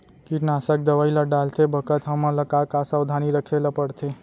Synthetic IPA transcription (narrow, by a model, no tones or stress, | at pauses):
kiʈnasək̚d̪əʋailəɖalt̪ʰebʱəkət̪ɦəmələkakasəwd̪ʱaniɾəkʰeləpəɽt̪ʰe